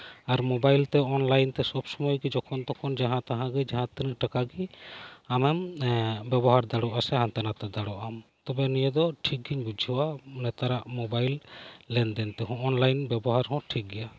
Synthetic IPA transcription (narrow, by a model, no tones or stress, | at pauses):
aɾmɔbajlt̪ɛɔnlajnt̪ɛsɔbsɔmɔjɡɛd͡ʒɔkʰɔnt̪ɔkʰɔnd͡ʒaɦãt̪aɦãɡɛd͡ʒaɦãt̪ɛnəʈakaɡiamɛmbɛbɔɦaɾd̪aɽɔʔasɛɦãnt̪ɛnat̪ɛd̪aɽɔʔamt̪ɔbɛnijɛd̪ɔʈʰik̚ɡiɲbud͡ʒʱɔwanɛt̪aɾaʔmɔbajlːɛnd̪ɛnt̪ɛɦɔ̃ːnlajnbɛbɔɦaɾɦɔ̃ʈʰik̚ɡɛja